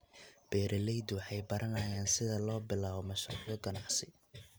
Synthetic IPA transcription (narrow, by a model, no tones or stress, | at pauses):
b̥ɛːɾʔɛlɛjd̪wɑħɑjbɐɾɐnɐjaːnsɪðɐlɔːbɪlaːβɔmɐʃrṵːʕðɔɡɐnɑʕsɪ